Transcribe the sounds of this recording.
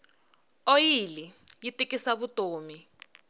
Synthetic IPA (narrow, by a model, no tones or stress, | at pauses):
ojilijitikisaβutʼoːmi